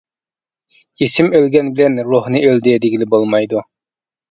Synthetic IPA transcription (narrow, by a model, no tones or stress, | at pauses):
esɪmølɡʲɛnbɪlɛnɾuhnɨøld̪ɪd̪eɡʲilɪbolˠmɑjd̪u